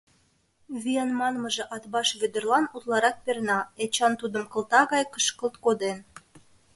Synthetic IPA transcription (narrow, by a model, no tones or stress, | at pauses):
βijenmɑnməʒĕʔɑt̪bɑʃβød̪ərlɑnut̪lɑɾɑt̪̚pernɑet͡ɕɑnt̪ud̪əmkə̆lt̪ɑɣɑjkə̥ʃkəlt̪̚kod̪en